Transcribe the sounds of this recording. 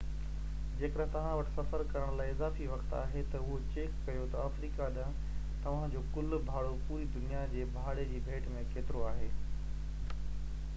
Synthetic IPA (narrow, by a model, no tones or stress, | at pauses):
d͡ʑeːkəɗɦt̪ɐʋ̤ãʋɐʈʰɪ̥sɐfəɾkɐɾəɽ̃laːɪɪzaːfiʋɐkt̪a̰ːɦet̪ɐʊɦot͡ɕeːkːɐjot̪ɐaːfɾiːkaɗə̃ | t̪ɐʋ̤ãd͡ʑoːkʊlbʱaːɽopuːɾid̪ʊnijad͡ʑeːbʱaːɽed͡ʑiːbʱeːʈmẽkʰeːt̪ɪɾoaːɦeː